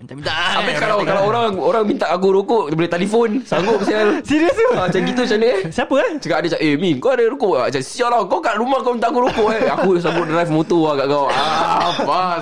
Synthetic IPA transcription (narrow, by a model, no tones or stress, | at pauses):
aapekalawkalawoɾaŋoɾaŋmint̪aʔak̬uɾukʊʔbulet̪elifonsaŋɡʊʔpsialsiɾiəsuat͡ʃankit̪̬ut͡ʃanəʔsiapəat͡ʃəkaʔadət͡ʃaʔemĩnkaadəɾukuʔat͡ʃansialakawkaʔɾumahkamint̪aʔakuɾukʊʔakusaŋɡʊʔdɾajfmot̪uakaʔkawapa